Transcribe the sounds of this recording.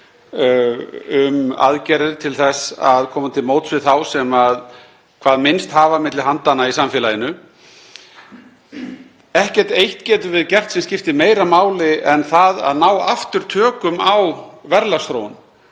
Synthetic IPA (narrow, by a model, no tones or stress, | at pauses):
ʏma̰ðcɛɾɪɾt̪ʰɪlθɛsaðkʰɔːmat̪ʰɪlmoːwt̪svɪðθawsɛmað | kʰv̥aːðmɪnst̪haːvamɪt̪lɪɦant̪anaisamfɪːlajɪnʏ | ɛhcɛr̥t̪ejht̪cɛːt̪ʏvɪðcɛr̥t̪sɛmscɪft̪ɪmeːjɾamaːwlɪʔɛnθaða̰ðnaːwaft̪ʏɾ̥t̪ʰœːkʏmawvɛɾlast̪ɾown